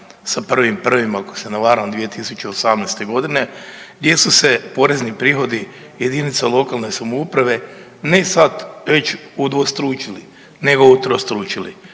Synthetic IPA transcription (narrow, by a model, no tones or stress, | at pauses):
sapr̩ʋimpr̩ʋimakosenaʋaːɾamd̪ʋije̞t̪isut͡ʃeosamnajst̪e̞ɡo̞d̪ine̞ɡd̪je̞suse̞po̞ɾe̞znipɾiːxo̞d̪i | je̞d̪init̪salˠo̞kalˠne̞samoupɾaʋe̞ | ne̞sat̪ʋe̞t͡ʃud̪ʋost̪ɾuːt͡ʃili | ne̞ɡout̪ɾost̪ɾuːt͡ʃili